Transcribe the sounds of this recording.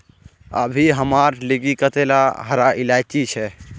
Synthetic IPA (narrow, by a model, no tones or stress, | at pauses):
ə̰bʱiɦəmaːɾliɡikət̪elaɦəɾaʔɪlaːt͡ʃit͡ʃʰɛː